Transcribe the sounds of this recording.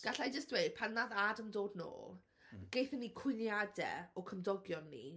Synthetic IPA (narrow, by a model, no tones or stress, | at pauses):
ɡ̥aɬajd͡ʒəstwejd̥̚pʰanːaðadəmdoːdno̰ːlˠ | ɡ̥ejθənikʰwɪnjadɛ̰ɔkʰəmdɔɡjɔnːḭ